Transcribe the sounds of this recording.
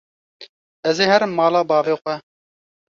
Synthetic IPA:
ɛzeːhɛɾɨmːɑːlɑːbɑːveːxʷɛ

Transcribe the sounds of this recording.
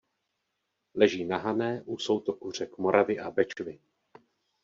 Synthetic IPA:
lɛʒiːnaɦanɛːʔuso̞wt̪o̞kur̝ɛkmo̞ɾʔavɪʔabɛt͡ʃvɪ

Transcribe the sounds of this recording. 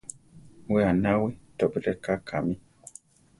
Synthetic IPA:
weanawitɔbiɾɛkakʰami

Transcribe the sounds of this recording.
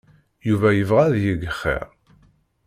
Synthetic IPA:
juvæjəvʁaðjiɡəχːḭʁ

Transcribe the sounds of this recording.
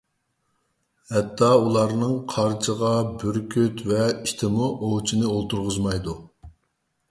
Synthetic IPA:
hɛt̪ʰːɑulˠɑɾnɨŋqʰɑɾt͡ʃʰəʁɑbyɾkʲʰyt̪vɛit̪ʰɪmuʔowt͡ʃʰinɨolˠt̪ʰuɾʁʊzmɑjd̪u

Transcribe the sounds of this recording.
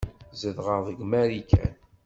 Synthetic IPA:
zəðʁəʁðəɡmæɾikʰæ̰n

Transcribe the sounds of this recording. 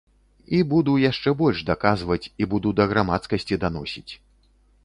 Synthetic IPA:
ibud̪ujaʂt͡ʂɛbɔlʲʐd̪akazvɐt͡sʲibud̪ud̪ɐɣɾamat̪skɐsʲt͡sʲid̪anɔsʲit͡sʲ

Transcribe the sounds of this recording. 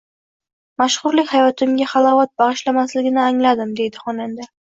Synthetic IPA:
maʃχʊɾlɪkʲhajɒt̪ʰɪmɡʲaχɑlˠɒvat̪̚bɑʁɨʃlamaslɪɡʲɪnɪaŋlad̪ɪmd̪e̞jd̪ɪχɒnand̪a

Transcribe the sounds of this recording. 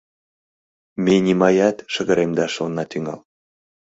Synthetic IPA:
menʲimɑjɑt̪ʃəɣə̆ɾemd̪ɑʃonːɑt̪yŋɑ̰l

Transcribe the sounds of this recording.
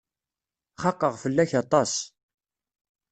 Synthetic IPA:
χɑqːəʁfəlːæçɑt̪ˤɑs

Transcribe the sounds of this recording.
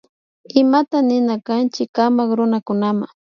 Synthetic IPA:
ɪmat̪anɪnakant͡ʃɪkamakɾʊnakʊnama̰

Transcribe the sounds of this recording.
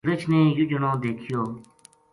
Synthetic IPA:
ɾət͡ʃʰnẽːjʊd͡ʒənõːd̪eːkʰjoː

